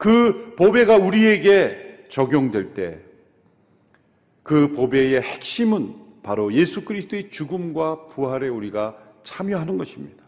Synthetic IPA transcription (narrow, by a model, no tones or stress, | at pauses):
kɯpobe̞ɡauɾie̞ɡe̞ | t͡ɕʌɡjoŋdwe̞ɭt͈e̞̰ | kɯpobe̞je̞he̞k̚ɕ͈imɯnpaɾoje̞sʰukɯɾisʰt͈ʰoet͡ɕuɡɯmɡwapuɦaɾe̞uɾiɡa | t͡ɕʰamjʌɦanɯnɡʌɕʰimɲid̥ḁ